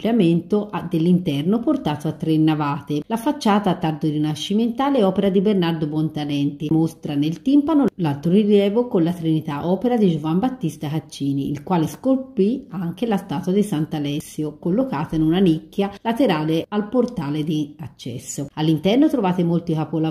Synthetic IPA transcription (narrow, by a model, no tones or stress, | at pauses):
pljament̪oʔad̪elːint̪ɛrnoport̪aːt̪oat̪ːɾenːavaːt̪elafːat͡ʃːaːt̪aːt̪ːard̪oɾinaʃːiment̪aːleɔːpeɾad̪ibernard̪obɔnt̪alɛnt̪imost̪ɾanelt̪impanolalt̪ɾoɾilɛːvokonlat̪ɾinit̪aʔɔːpeɾad̪id͡ʒovambat̪ːist̪akat͡ʃːiːniːlkwaːleskolpiaŋk̟elast̪aːt̪wad̪isant̪alɛsːjokolːokaːt̪ainunanikːjalat̪eɾaːlealport̪aːled̪iat͡ʃːɛ̰sːoalːint̪ɛrnot̪ɾovaːt̪emolt̪ikapola